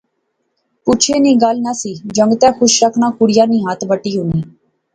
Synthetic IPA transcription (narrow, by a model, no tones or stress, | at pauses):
pʊt͡ʃʰeːnĩːɡalnaːsiːd͡ʒəŋɡt̪ɛ̃ːkʰʊʃɾəkʰnãːkʊɽɪjaːnĩːɦat̪ʰbəʈːiːɦʊniː